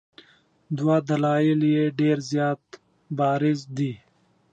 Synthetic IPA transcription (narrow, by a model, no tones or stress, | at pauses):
d̪wad̪ɐlaːjiljeɖeːɾzjaːt̪ | bɑːɾɪzd̪i